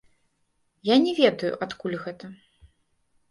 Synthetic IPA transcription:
janʲɛvʲɛd̪ɐjṵʔat̪kulʲɣɛt̪ɐ

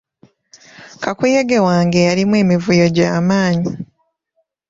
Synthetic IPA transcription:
kakujeɡe̞waːŋɡe̞jaɾimwe̞ːmivujo̞ɟaːmaːɲi

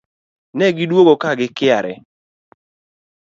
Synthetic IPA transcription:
nɛɡidwoɡokaɡɪkɪaɾɛ̰

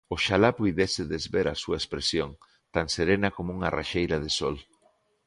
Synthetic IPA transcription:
ʊʃalapujðesɪðezβeɾasuɐespɾesjoŋ | t̪aŋseɾenɐkomouŋara̰ʃejɾaðesɔl

